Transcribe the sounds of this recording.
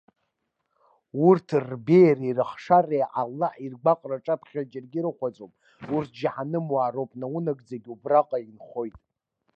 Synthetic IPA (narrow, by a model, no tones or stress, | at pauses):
urtʰrbejrairɨχʂarejʔalːaħirɡ͡bʷaqʼraʈ͡ʂʼapʰχʲad͡ʒɪrɡʲɪɾɨχʷat͡sʼowpʼ | urtʰd͡ʒħanɨmwaːɾowpʼnaunaɡd͡zaɡʲubraqʼainχo̞jtʼ